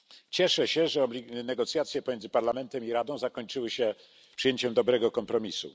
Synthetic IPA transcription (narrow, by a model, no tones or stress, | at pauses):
t͡ɕɛʂɛɕɛʐɛɔblʲinɛɡɔt̪sʲjat̪sʲjɛpɔmʲjɛndzɘpaɾlamɛnt̪ɛmiɾad̪ɔ̃w̃zakɔɲt͡ʂɘwɘɕɛ | pʂɨjeɲt͡ɕɛmd̪ɔbɾɛɡɔkɔmpɾɔmʲisṵ